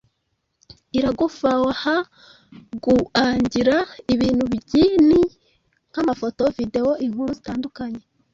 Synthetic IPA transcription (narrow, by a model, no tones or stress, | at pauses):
iɾaɡufawaha | ɡuaːɲɟiɾaiβiːn̥huβiɟini | ŋ̥hamafo̞to̞vide̞wo̞ʔiŋ̥huɾuzitaːndukaɲe